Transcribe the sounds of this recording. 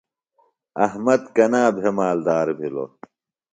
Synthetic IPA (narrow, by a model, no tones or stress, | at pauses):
ɐhmɐd̪kɐnaːbʱemaːld̪aːɾbʱilo̰